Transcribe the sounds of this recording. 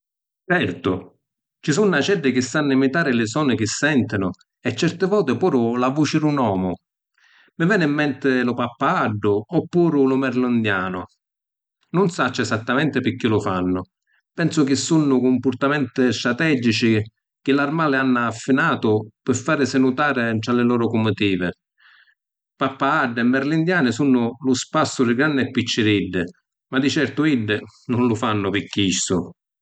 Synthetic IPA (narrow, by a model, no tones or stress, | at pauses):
t͡ʃɛrt̪ʊ | t͡ʃisunːat͡ʃɛɖːɪk̟ɪsːanːimit̪aːɾɪlɪsɔːnɪk̟ɪsːɛnt̪ɪnʊ | ɛt͡ʃːɛɾt̪ɪvɔːt̪ɪpuːɾʊlavut͡ʃɪɾunɔːmʊ | mɪvɛːnimːɛnt̪ɪlʊpapːaaɖːʊɔpːuːɾʊlʊmɛɾlʊnd̪jaːnʊ̰ | nʊnsat͡ʃːɛsat̪ːamɛnt̪ɪpɪkːilʊfanːʊ | pɛnsʊk̟ɪsːunːʊkʊmpʊɾt̪amɛnt̪ɪst̪ɾat̪ɛːd͡ʒit͡ʃi | k̟ɪlarmaːlɪanːaːfːinaːt̪ʊpɪfːaːɾɪsɪnut̪aːɾɪt̪ɾalɪlɔːɾʊkʊmːʊt̪iːvɪ | papːaaɖːɪɛmːɛɾlind̪jaːnɪsunːʊlʊspasːʊɾɪɡɾanːɪɛpːit͡ʃːɪɾiɖːɪ | mad̪it͡ʃɛrt̪ʊiɖːɪnʊnlʊfanːʊpɪkːisːʊ